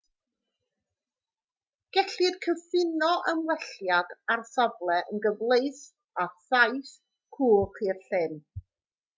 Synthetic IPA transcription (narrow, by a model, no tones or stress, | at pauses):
ɡ̥ɛɬɨd̥kʰəfɪnɔʔəmwɛɬjadarsɔvlˠɛʔənɡəvlˠejθ | aθajθ | kʰuːχiːrɬɪn